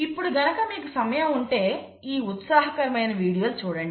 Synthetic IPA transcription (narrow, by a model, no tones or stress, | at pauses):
ipːuɽuɡɐnɐkɐmiːkusɐmɐjɐuɳʈe̞ː | iːut̪saːɦɐkɐɾɐmɐjnɐʋiːɽijɐːlt͡ʃuːɽɐɳɖi